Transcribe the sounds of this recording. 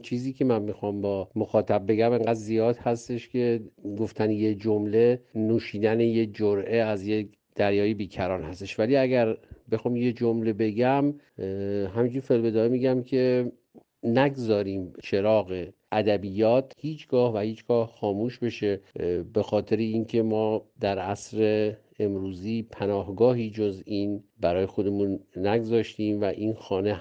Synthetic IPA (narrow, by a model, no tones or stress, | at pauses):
t͡ʃʰiːziːkʰe̞mænmixɒːmbɒːmoxɒːt̪ʰæb̚be̞ɡæmeŋɡæd̪zijɒːd̪hæst̪e̞ʃkʲʰe̞ɡoft̪ʰænjed͡ʒomle̞nuːʃiːd̪ænejed͡ʒoɾʔeæzje | d̪̥æɾjɒːjebiːcʰæɾɒːnhæst̪e̞ʃvæliːæɡæɾbe̞xɒːmje̞d͡ʒomle̞be̞ɡæm | ɦæmind͡ʒuːɾfelbe̞d̪ɒːimiːɟæmcʲʰe̞ | næɡzɒːɾiːmt͡ʃʰe̞ɾɒːɣeʔæd̪æbijɒːt̪hiːt͡ʃʰɡ̥ɒːhvæhiːt͡ʃʰɡ̥ɒːhxɒːmuːʃbe̞ʃebe̞xɒːt̪ʰe̞ɾeiːncʰe̞mɒːd̪æɾæsɾeː | mɾuːziːpʰænɒːhɡɒːɦiːd͡ʒoziːnbæɾɒːjexo̞d̪e̞munːæɡzɒːʃt̪iːmvæʔiːnxɒːne